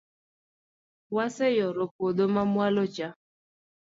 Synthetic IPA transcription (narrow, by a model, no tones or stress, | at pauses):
wasɛjɔɾopod̪omamwalot͡ʃa